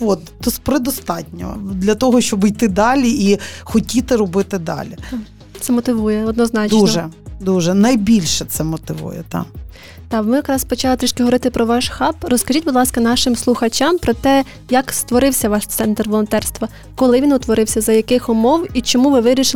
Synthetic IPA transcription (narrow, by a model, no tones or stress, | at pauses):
ɔt̪t̪ɔspɾɪd̪ɔst̪ɑtʲnʲɔ̰d̪lʲɐt̪ɔɦɔʃt͡ʃɔbijt̪ɪd̪ɑlʲiixɔtʲit̪ɪɾɔbɪt̪ɪd̪ɑ̰lʲi | t̪sɛmɔt̪ɪʋujɛɔd̪nɔznɑt͡ʃd̪nʒɛd̪uʒɛnɐjbʲilʲʃɛt̪sɛmɔt̪ɪʋṵjɛ̰t̪ɑ̰ | t̪ɑmɪjɐkɾɑspɔt͡ʃɑlˠet̪ɾiʃkɪɦɔʋɔɾɪt̪ɪpɾɔʋɑʃxɑprɔskɐʒʲitʲbʊd̪lˠɑskɐnɑʃɪmslˠʊxɐt͡ʃʲampɾɔt̪ɛ | jɐkst̪ʋɔɾɪwsʲɐʋɑʃt̪sɛnt̪rʋɔlˠɔnt̪ɛrst̪ʋɐ | kɔlˠɪʋʲinʊt̪ʋɔɾɪwsʲɐzɐjɐkɪxʊmɔwit͡ʃɔmuʋɪʋɪɾʲiʃɪ